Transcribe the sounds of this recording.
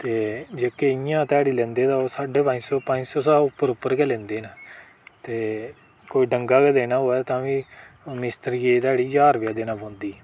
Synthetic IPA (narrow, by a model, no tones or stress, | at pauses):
t̪eːd͡ʒeːkeːɪjãːt̪ɛːɽiːlɛ̃ːnd̪eːt̪ãːoːsaːɖeːpãɲd͡ʒsɔːpãɲd͡ʒsɔːsaːʊpːəɾʊpːəɾkɛːlɛ̃ːnd̪eːnə | t̪eː | koːiːɖəŋɡaːkɛːd̪eːnãːɦoːɛːt̪ãːʋiːmɪst̪əɾɡeːt̪ɛːɽiːd͡ʒaːɾʋɪjaːd̪eːnãːpõːnd̪iː